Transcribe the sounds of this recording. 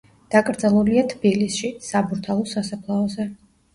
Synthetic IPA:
d̪̥akʼɾd̪zalˠuliat̪ʰb̥ilisʃisabuɾt̪ʰalˠɔsasapʰlˠaɔzɛ

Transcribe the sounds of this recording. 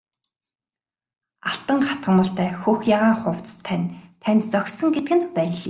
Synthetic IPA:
aɬt̪ə̆ŋχat̪̚ɢə̆mə̆ɬt̪æːxuxjaʁaːɴχʊw̥t͡st̪ʰːænʲt̪ʰænʲt̪t͡sœksɞ̆ŋɡet̪̚ɡɘ̆npæːɮi

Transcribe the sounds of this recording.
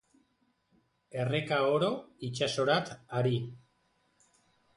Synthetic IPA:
e̞re̞kaoɾo̞it͡ʃaso̞ɾat̪aɾi

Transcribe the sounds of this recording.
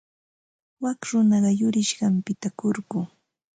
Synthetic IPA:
wakɾʊnɑɢɑjʊɾɪʃɢɑmpɪt̪akoɾɢʊː

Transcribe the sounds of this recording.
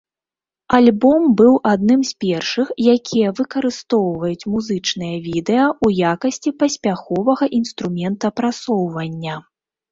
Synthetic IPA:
alʲbɔmbɨwʔad̪nɨmspʲɛrʂɨxjakʲʰijɐvɨkɐɾɨst̪ɔwvɐjut͡sʲmuzɨt͡ʂnɨjɐvʲid̪ɛjɐujakɐsʲt͡sʲipɐsʲpʲaxɔvɐɣɐʔinst̪ɾumʲɛnt̪ɐpɾat̪sɔwvɐnʲːɐ

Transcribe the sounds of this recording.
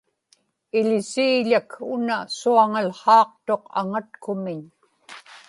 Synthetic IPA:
ɪʎɪsiːʎakʊnasuaŋalχɑːq̚t̪o̞qa̰ŋat̪̚kʊmɪɲ

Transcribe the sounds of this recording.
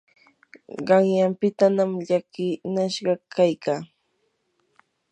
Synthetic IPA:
ɢɑŋjampɪt̪anamʎakɪnaʃɢɑkʰajkaː

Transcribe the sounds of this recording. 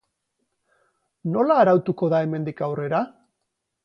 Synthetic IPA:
no̞laːɾawt̪uko̞ðae̞me̞nd̪ikawre̞ɾa

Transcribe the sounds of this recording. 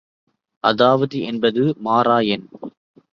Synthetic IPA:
ʔɐðaːʋɐðiʔɛnbɐðɯmaːɾaːjɐn

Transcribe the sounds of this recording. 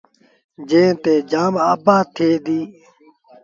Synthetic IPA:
d͡ʒẽːt̪eːd͡ʒaːmaːbaːt̪ʰeːd̪iː

